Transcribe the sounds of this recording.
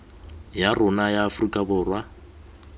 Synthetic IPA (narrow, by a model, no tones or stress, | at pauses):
jarʊnajaːfrikʼabʊːrwa